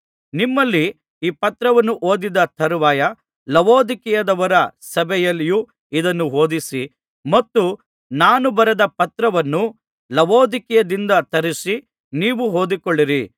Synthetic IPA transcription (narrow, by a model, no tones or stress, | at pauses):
nimːɐlːi | iːpɐt̪ɾɐʋɐnːuʔoːd̪id̪ɐt̪ʰɐɾuʋaːjɐ | lɐʋoːd̪ikɛjɐd̪ɐʋɐɾɐsɐbʱɛjɐlːiju | id̪ɐnːuɦo̞ːd̪isi | mɐt̪ːu | naːnubɐɾɛd̪ɐpɐt̪ɾɐʋɐnːu | lɐʋoːd̪ikɛjɐd̪ind̪ɐt̪ɐɾisi | niːʋuɦoːd̪ikoɭːiɾi